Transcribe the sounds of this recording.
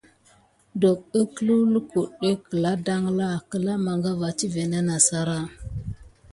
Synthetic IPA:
do˨k̚ə˦klu˦lə˦ku˨ɗə˦kə˨la˦da˦ŋla˦˨kə˨la˦ma˨ŋɡa˦va˨t͡ʃi˦ve˨na˦na˨sa˦ɾa˦

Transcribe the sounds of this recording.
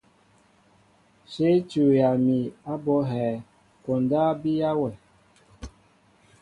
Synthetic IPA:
se˦t͡ʃu˨ja˨mi˨a˦bɔ˨˦ɦɛː˨ | kɔ˨ndaː˦bi˦ja˦wɛ˨

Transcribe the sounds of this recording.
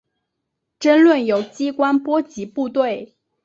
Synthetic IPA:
ʈ͡ʂə˥nlwə˥˩njo˨˩ʊt͡ɕi˥kwa˥npwɔ˥t͡ɕi˧˥pu˥˧t̪we˥˩ɪ

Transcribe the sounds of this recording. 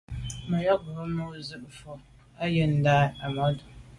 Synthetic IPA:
ma˨jɔ˦ɡʊ˨˦mu˦zɨ˦ʔfɔ˨ | a˦jɛ˦n̩˨da˦a˨mɔ˦d

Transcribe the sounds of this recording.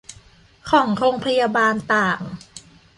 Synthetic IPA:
kʰɔː˩˦ŋɾoː˧ŋpʰa˧jaː˧baː˧nt̪aː˨˩ŋ

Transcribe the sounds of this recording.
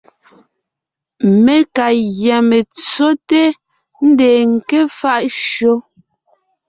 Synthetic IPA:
me˦ka˨ɣjɛ˨me˨t͡so˦te˦ | n̩˦de˨ŋ̩˨ke˦fa˦ʔʃo˦

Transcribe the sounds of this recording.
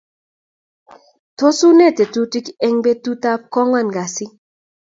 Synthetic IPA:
to˦su˦ne˦˨te˨tu˦ti˦kɛ˦ŋbe˦tu˦ta˦p̚kɔ˦ŋwa˦˨nɡa˨sɪ˦

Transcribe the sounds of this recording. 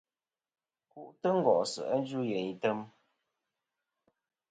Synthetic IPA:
ku˦˨ʔtə˦ŋ̩˦˨ɡɔ˨ʔsə̰˨ʔə˦n˦d͡ʒu˦jɛ˨ɲ˨tə˦m

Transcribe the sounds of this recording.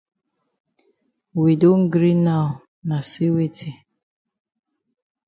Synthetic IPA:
wi˨do˦ŋ̩˦ɡɾi˦na˦˨ | na˨si˦we˦tʰi˨

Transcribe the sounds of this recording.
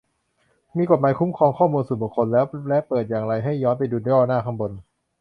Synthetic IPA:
miː˧ko˨˩t̪̚maː˨˦jkʰu˦˥mkʰɔː˧ŋkʰɔː˥˩muː˧nsuː˨˩bu˨˩kʰːo˧nlɛː˦˥wlɛ˦˥ʔpɤː˨˩t̪̚jaː˨˩ŋɾa˧jɦa˥˩jːɔː˦˥npa˧jduː˧n˧˦ɔː˥˩naː˥˩kʰa˧mbo˧n

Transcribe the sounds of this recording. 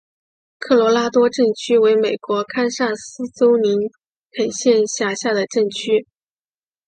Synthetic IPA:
kʰɤ˥˩lwɔ˧˥la˥t̪wɔ˥ʈ͡ʂɤ˥˩ŋt͡ɕʰy˥we˧˥ɪme˨˩ɪkwɔ˧˥kʰa˥nsa˥˩sɹ̩˥t͡so˥ʊni˧˥n | pʰe˨˩ɪɕjɛ˥˧nɕja˥˩ɕja˥˩d̪ə˩ʈ͡ʂɤ˥˩ŋt͡ɕʰy˥

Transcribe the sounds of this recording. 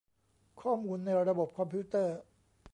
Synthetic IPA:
kʰɔː˥˩muː˧nːa˧jɾa˧bo˨˩p̚kʰɔ˧mpʰiː˦˥t̪ɤː˥˩

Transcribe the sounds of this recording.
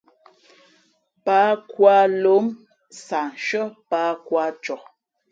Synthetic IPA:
pa˨˦kwa˦lo˨˦m | sa˨nʃə˦pa˦kwa˦t͡ʃɔ˨

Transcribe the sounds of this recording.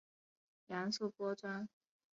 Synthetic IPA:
ja˧˥nsu˥˩pwɔ˥t͡swa˥n

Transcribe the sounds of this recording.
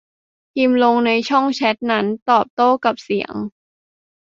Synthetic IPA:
kʰi˧mlo˧ŋna˧jt͡ɕʰɔ˥˩ŋt͡ɕʰɛ˦˥t̪̚na˦˥nt̪ɔː˨˩p̚t̪oː˥˩ka˨˩p̚si˨˩˦ə̰ŋ

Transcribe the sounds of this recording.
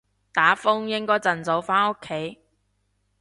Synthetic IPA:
t̪aː˨˥fʊ˥ŋjɪ˥ŋkɔː˥jt͡sɐ˨˩nt͡so˨˧wfaː˥no˥kʰːe˨˥j

